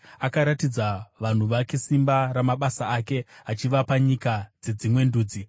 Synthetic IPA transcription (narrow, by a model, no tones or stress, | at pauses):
akaɾatid͡zaʋan̤uʋake̞simbaɾamaɓasaake̞ɦat͡ʃiʋapaɲikad͡ze̞d͡zimwe̞nduːd͡zi